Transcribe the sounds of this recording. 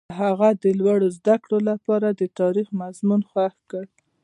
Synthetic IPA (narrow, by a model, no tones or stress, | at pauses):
ɦaɣad̪əlwaɽozd̪akɽolapɑɾad̪ət̪ɑɾixmazmunxwaxkəɽ